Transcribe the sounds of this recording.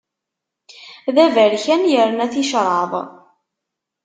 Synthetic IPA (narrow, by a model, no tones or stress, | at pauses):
ðævæɾçænjəɾənæθiʃɾˤɑðˤ